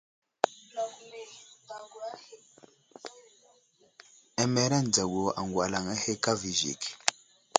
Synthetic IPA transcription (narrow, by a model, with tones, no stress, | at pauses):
ɛ˨mɛ˨ɾa˦˨n˨d͡za˨ɡo˨a̰˨ŋɡwa˨la˨ŋa˦he˦ka˦vi˨ʒḭ˨k